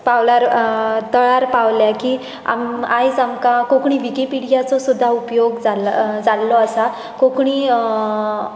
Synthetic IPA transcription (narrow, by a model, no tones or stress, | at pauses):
pawlaɾt̪əɭaɾpawljakiː | a̰majd͡zamkakõkɳ̃iːʋikipiɽijat͡sɔsud̪ʱːaupjoɡd͡zald͡zalːɔasa | kokɽ̃iː